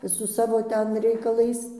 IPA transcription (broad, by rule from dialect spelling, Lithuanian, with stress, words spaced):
sʊ ˈsɑːʋoː ˈtʲɛn rʲɛɪkɐˈlˠɐɪs